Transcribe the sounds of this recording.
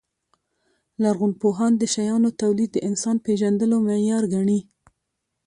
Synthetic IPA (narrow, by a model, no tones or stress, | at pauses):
laɾɣunpoɦɑnd̪əʃajɑnot̪awlid̪̚ːəʔɪnsɑnpeʒand̪əlomejɑɾɡaɳi